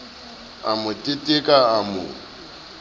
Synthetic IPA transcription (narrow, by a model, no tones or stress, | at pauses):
amʊtʼɪtʼɪkʼaamʊ̰